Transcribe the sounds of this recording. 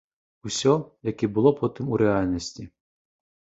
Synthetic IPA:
usʲɔjɛkʲibulˠɔpʰot̪ɨmuɾʲɛalʲnʲesʲt̪ʲi

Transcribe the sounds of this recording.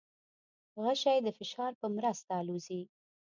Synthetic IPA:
ɣaʃɑjd̪əfɪʃɑɾpəmɾast̪aluzi

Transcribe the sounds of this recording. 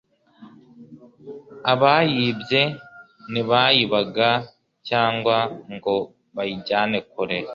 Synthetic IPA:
aβajibɟe̞ | niβajiβaɡa | caːŋɡwaŋɡo̞ | βajiɟaːne̞kuɾe

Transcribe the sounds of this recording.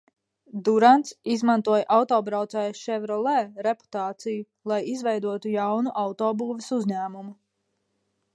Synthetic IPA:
d̪uɾant̪sizmant̪uɔjʔawt̪ɔːbɾawt̪sɛjʃɛvɾɔlˠɛːɾepu̥t̪aːt̪siju | lˠajizvɛjd̪uɔt̪ujawnuʔawt̪ɔːbuːvesuzʲɲæːmumu

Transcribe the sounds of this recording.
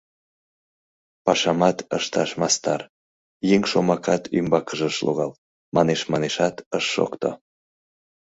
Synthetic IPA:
pɑʃɑmɑt̪əʃt̪ɑʃmɑst̪ɑr | jeŋʃomɑkʰɑt̪ʰymbɑkəʒəʃlʔo̰ɣɑl | mʔɑneʃmɑneʃɑt̪əʃːo̰kt̪o̰

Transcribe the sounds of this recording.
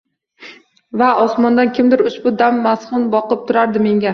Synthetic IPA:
vaɒsmɒnd̪ankʲʰɪmd̪ɪɾʊʃbʊd̪amːasχʊnbɒqɨp̚t̪ʰʊɾaɾd̪ɪme̞ŋʲa

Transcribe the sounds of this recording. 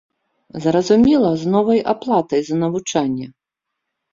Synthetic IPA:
zɾɐzumʲɛlˠɐznɔvɐja̰plˠat̪ɐjzɐnɐvut͡ʂanʲːɛ

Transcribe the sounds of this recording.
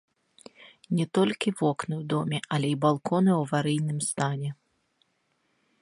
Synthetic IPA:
nʲɛt̪ɔlʲkʲivɔknɨwd̪ɔmʲɛʔɐlʲɛibalˠkʰɔnɨwvaɾɨjnɨmst̪anʲɛ

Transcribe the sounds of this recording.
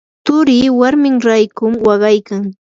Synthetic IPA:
t̪ʊɾɪwaɾmɪŋɾajkʊmwɑɢɑjkaŋ

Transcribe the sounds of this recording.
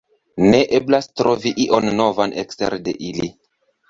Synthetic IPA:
ne̞ʔeblastɾo̞viʔiʔo̞nːo̞vanʔekstḛɾde̞ʔili

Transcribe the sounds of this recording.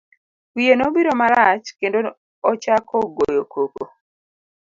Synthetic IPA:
wienobiɾomaɾat͡ʃkendo | ɔt͡ʃakʰoɡojokʰoko

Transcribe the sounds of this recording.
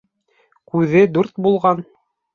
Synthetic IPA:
kʉðɘd̪uɾt̪bulˠʁɑn

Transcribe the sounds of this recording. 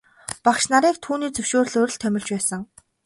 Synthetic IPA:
paχʃnaɾiːk̚t̪ʰuːniːt͡sɵwʃoːr̆ɮoɾ̆ɮt̪ʰœmʲɪ̆ɮt͡ɕpæːsə̆ŋ

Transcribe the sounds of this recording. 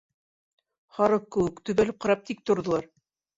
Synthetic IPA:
hɑɾɤp̚kɘ̆wɘkt̪ɵ̆βælɘp̚qɑɾɑp̚t̪ik̚t̪ŏɾðŏlˠɑɾ

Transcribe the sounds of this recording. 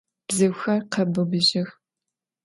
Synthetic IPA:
b̥zɨwxɐrqɐbɨbɨʑɪx

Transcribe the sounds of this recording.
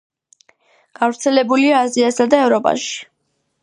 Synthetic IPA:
ɡ̥avɾt̪sʰɛlɛbuliaːziasad̪aɛvɾɔpʼa̰ʃi̥

